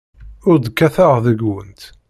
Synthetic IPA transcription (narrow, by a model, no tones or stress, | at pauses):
ʊɾd̪kːæθaʁðəɡwə̰nt̪